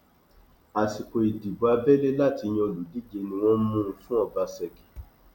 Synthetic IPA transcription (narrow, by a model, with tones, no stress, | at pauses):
a˨si˨ko˨i˨di˨ba˧bɛ˦le˦la˦˨ti˧j̃ĩ˧o˧lu˨di˨˦d͡ʒe˧nĩ˧w̃ɔ̃˦mũ˦˨˦fũ˦ɔ˦˨ba˧sɛ˧˨ki̥˨